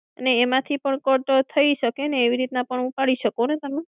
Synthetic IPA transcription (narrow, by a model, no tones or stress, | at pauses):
əneːmãt̪ʰipəɳkəʈot̪ʰəiʃəkeneːʋiɾit̪nãpəɳupaɽiʃəkonet̪əmã